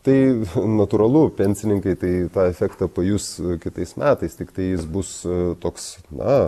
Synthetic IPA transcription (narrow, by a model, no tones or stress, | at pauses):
t̪ɐɪnɐt̪uːɾɐlˠʊpʲɛnʲsʲɪnʲɪŋkɐɪt̪ɐɪt̪ɑːɛfʲɛkt̪ɐpɐjʊskʲɪt̪ɐɪsmʲʔæːt̪ɐɪst̪ʲɪkt̪ɐɪjɪsbʊst̪oːksnɐ